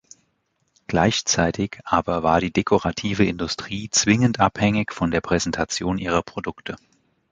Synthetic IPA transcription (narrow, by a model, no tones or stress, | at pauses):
ɡ̥laɪçt͡saɪtʰɪçʔaːbɐvaːɐɾiːdekʰoʁatʰiːvəɪndʊstʁ̥iːt͡sv̥ɪŋəntʔa̰phɛŋɪçfɔndeːɐpʁ̥ɛzɛntʰat͡sjoːnʔiːʁ̞ɐpʁ̥odʊktʰə